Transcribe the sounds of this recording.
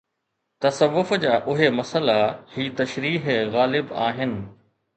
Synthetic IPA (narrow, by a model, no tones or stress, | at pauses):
t̪ɐsɐʋːʊfd͡ʑaːʔʊɦemɐsəlahiːt̪ɐʃɾiːɦɣaːlɪbaːɦɪnɪ̆